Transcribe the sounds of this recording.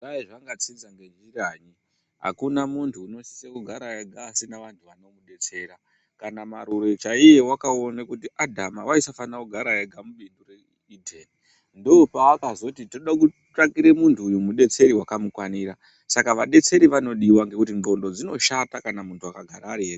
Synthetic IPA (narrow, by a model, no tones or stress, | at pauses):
aiʐaŋɡat͡sind͡zaŋɡe̞d͡ʒiraɲi | ɦa̰kunamuntʰuːno̞si̥sekuɡʱaɾajeɡʱasinaʋantʰuʋano̞muɗe̞t͡se̞ɾa | kanamaɾuɾe̞t͡ʃaije̞wakao̞nekutiʔadʱamawaisafanakuɡʱaɾajeɡʱamuɓindure | idʱeni | ndoːpaːkazo̞titoɗaku | takiɾe̞muntʰuːjumuɗe̞t͡se̞ɾiwakamukwaniːɾa | sakaʋaɗe̞t͡se̞ɾiʋano̞ɗiwaŋɡe̞kut̬iŋbo̞ndo̞d͡zino̞ʃatakanamuntʰuakaɡʱaɾaːɾier